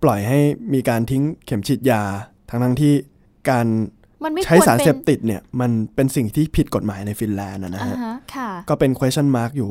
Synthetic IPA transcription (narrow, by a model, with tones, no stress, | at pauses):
plɔ˨˩jɦa˥˩jmiː˧kaː˧nt̪ʰi˦˥ŋkʰe˩˦mt͡ɕʰi˨˩t̪̚jaː˧t̪ʰa˦˥ŋt̪ʰa˦˥ŋt̪ʰiː˥˩ | kaː˧n˧ | n˥t͡ɕʰa˦˥saː˩˦nse˨˩p̚t̪i˨˩t̪̚ni˥˩ɐma˧npe˧nsi˨˩ŋt̪ʰiː˥˩pʰi˨˩t̪̚ko˨˩t̪̚maː˩˦jna˧jfi˧nlɛː˧nʔa˨˩na˦˥˧ɦʰa˦˥˦kʰkɔː˥˩pe˧nkʰo˧eː˦˥t͡ɕʰa˥˩nmaː˦˥˩k̚juː˨˩